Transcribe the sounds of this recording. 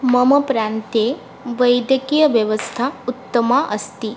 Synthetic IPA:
mɐmɐpɾaːnt̪e | ʋɐjd̪jɐkijɐʋjɐʋəst̪ʰaut̪ːəmaʔɐst̪i

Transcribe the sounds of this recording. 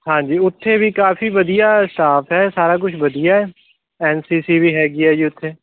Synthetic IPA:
ɦãːd͡ʒiːʊt̪ʰːebʱikaːfiʋɐd̪ijasʈaːpʰɦɛːsaːɾak̬ʊt͡ʃʰbɐd̪ijaɦɛː | ɛːnsiːsibʱiɦɛːɡiɛːd͡ʒiʊt̪ʰːeː

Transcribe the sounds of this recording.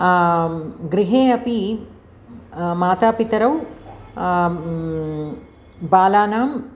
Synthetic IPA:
ɡɾiɦeːɐpi | maːt̪aːpit̪ɐɾɐw | baːlaːnaːm

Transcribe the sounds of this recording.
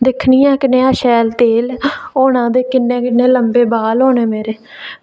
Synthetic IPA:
d̪ɪkʰniːãːkɪnẽːaːʃɛːlt̪eːloːnãːd̪eːkɪnːẽːkɪnːeːləmbeːbaːlɦoːneːmeːɾeː

